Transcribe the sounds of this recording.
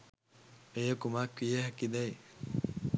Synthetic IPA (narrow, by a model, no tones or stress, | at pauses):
ejəkumaːkʋijeɦɐkid̪ɐj